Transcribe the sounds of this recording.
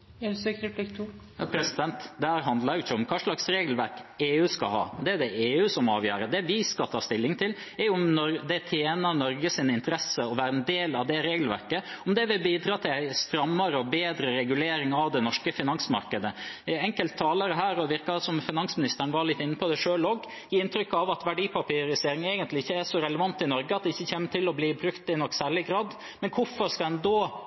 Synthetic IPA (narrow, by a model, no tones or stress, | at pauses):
ɛdsøkɾɛpʰlikt̪ʰujɑpʰɾɛsɪd̪ɛnt̪d̪ɛhæːɾɦɑnd̪lɑɾjʊɪçːəɔmkʰɑːʂɭɑksɾeːɡl̩ʋæɾkeːʉːskɑ̰hɑ̰ːd̪ɛæd̪ɛʔeːʉːsɔmɑ̰ːʋjø̰ːɾəd̪ɛʋɪskɑlt̪ʰɑːst̪ɪlːɪŋt̪ʰɪl | ɛɾjʊʊmnɔɾd̪ɛt̪ʰjeːnɑnɔɾɡəsɪnɪnt̪əɾɛsəɔʋæːɾəɛnd̪eːlɑʋd̪ɛɾeːɡl̩ʋæ̰ɾkəɔmd̪ɛʋɪbiːd̪ɾɑːt̪ʰɪlæɪst̪ɾɑmːɑɾəɔbeːd̪ɾəɾɛɡʉleːɾɪŋɑʋd̪ɛnɔʂkəfɪnɑŋsmɑ̰ɾkəd̪əɛŋkəlt̪ʰːɑːlɑɾəɦæːɾɔʋɪɾkɑsɔmfɪnɑnsmɪnɪst̪əɳ̩ʋɑɾɭɪt̪ːɪnːəpʰɔd̪æʂøːlɔɡ | jiːɪnt̪ɾʏkːɑʋɑt̪ʋæɖiːpʰɑpiːɾɪseːɾɪŋɛːɡənt̪lɪɪçːəæʂɔɾɛləʋɑnt̪ːɪnɔɾɡəɑt̪̚d̪ɛɪçːəçeːməʈɪlɔbliːbɾʉkt̪ɪnɔkːsæːɭɪɡɾɑːd̪ | mɛnkʰʊfɔɾskɑɛnd̪ɔ